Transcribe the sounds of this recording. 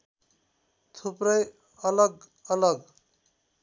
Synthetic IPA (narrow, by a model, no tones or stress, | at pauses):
t̪ʰuprʌj | ʌlʌɡ | ʌlʌɡ